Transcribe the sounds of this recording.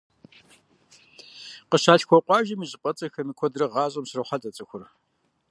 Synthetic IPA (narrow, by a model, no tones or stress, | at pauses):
qəɕaːɬxʷɔqʷʼɑːʒɐmiːɕʼɪpʼɐt͡sʼɐxɐmikʷʰɔdrɐʁɑːɕʼɐmsrɐwχatʼɐt͡sʼɨxʷʊr